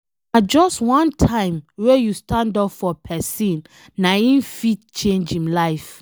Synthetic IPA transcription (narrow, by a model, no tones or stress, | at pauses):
nad͡ʒɔstwɔ̃ntʰãɪ̃mwejustãndɔpfɔpʰɛsĩnː | aĩnfitt͡ʃẽnd͡ʒĩmlaɪf